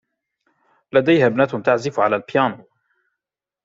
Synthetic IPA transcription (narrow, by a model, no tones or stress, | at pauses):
lad̪ajhaːbnaːt̪hʊmt̪aʕzɪfʕalaːlpɪjaːnuː